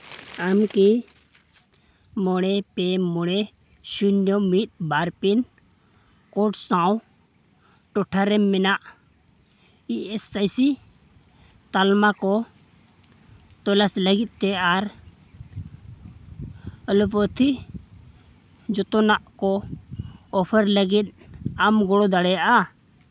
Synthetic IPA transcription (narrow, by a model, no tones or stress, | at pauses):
amki | mɔɽ̃ɛpɛmɔɽ̃ɛ | ʃunːjɔmit̪̚ˀbaɾpin | kɔʈsãw | ʈɔʈʰaɾɛmːɛnaʔ | iʔɛsajsi | t̪almakɔ | t̪ɔlasləɡit̪̚ˀt̪ɛaɾ | əlupɔt̪ʰi | d͡ʒɔt̪ɔnaʔkɔ | ɔpʰəɾləɡit̪̚amɡɔɽɔd̪aɽɛjaʔa